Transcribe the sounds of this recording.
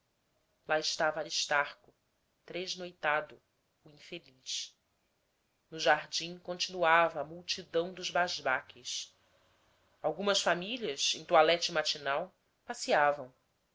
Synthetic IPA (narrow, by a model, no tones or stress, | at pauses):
laɪʃt̪avɐːɾiʃt̪aχkʊ | t̪ɾeʒnojt̪ad̪ʊː | ĩfeliʃ | nʊʒaɾd͡ʒĩŋkõnt͡ʃinuavɐːmuwt͡ʃid̪ɐ̃w̃d̪ʊʒbaʒbakʰɪs | awɡũmɐsfamiliɐsẽj̃t̪ualɛt͡ʃimat͡ʃinaw | pasiavɐ̃w̃